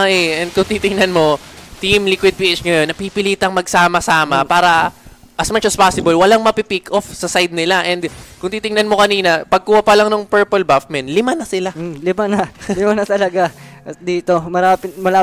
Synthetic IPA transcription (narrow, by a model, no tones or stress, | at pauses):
ʔaʔɛʔɛnd̪̚kʊŋt̪it̪ɪŋnɐnmo̞t̪imlikwɪd̪̚pːʔɪt͡ʃŋɐjo̞nːɐpipɪliːt̪ɐŋmɐɡ̚saːmɐsaːmɐpaːɾɐ | ʔɐsmat͡ʃɐspaːsɪbɐlwɐlaŋmɐpipikʔofsɐsajd̪̚nɪlaʔɛnd̪kʊŋt̪iːt̪ɪŋnɐnmo̞kɐniːnɐpɐɡ̚kuːhɐpɐlaŋnʊŋpɛɹpolbafmɛnt̪lɪmanɐsɪlalɪmanɐlɪmanɐt̪ɐlɐɡa | d̪iːt̪omɐɾaːpɪt̪̚mɐlaː